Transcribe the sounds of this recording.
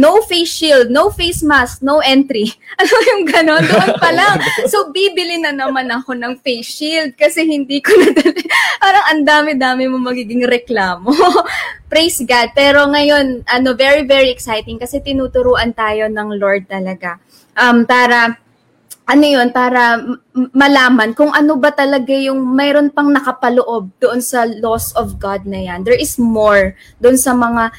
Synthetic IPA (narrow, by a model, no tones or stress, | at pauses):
nowfesild̪̚nowfejsmask̚nowʔɛnt̪ɾiʔɐnojʊŋɡɐno̞nd̪ʊʔonpɐlaŋso̞biːbɪlɪnɐnɐmanɐko̞nɐŋfejsild̪̚kɐsɛhɪnd̪iːkonɐd̪ɐlɛpaːɾɐŋʔɐnd̪aːmɪd̪aːmɪmomɐɡiːɡɪŋɾɛklaːmopɾejsɡad̪̚pɛːɾo̞ŋɐjo̞nʔɐno̞vɛɹivɛɹiʔɛksajt̪ɪŋkɐsɛt̪ɪnuːt̪ʊɾuːʔɐnt̪aːjo̞nɐŋlo̞ɹd̪̚t̪ɐlɐɡa | ʔɐmpaːɾɐ | ʔɐnojo̞npaːɾɐ | mɐlaːmɐnkʊŋʔɐno̞bɐt̪ɐlɐɡajʊŋmɛːɾo̞npɐŋnɐkɐpɐloʔo̞b̚d̪oʔonsɐlo̞sɔvɡad̪̚nɐjand̪ɛɹʔɪsmoɹ | d̪oʔonsɐmɐŋa